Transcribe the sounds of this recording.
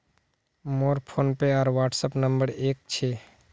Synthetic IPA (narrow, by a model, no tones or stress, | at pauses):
moːɾpʰoːnpeaːɾʋaːʈsəpnə̃mbəɾeːk̚t͡ʃʰeː